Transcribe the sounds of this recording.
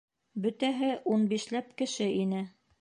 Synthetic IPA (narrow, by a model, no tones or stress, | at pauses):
bɵ̆t̪æɦɘʔunbiʃlæpkɘ̆ʃɘʔinɘ